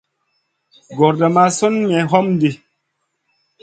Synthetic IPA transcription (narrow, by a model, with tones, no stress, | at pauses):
ɡɔ˨ɾda˨ma˦so˦nmɛ˨ɦɔ˦m˦di˨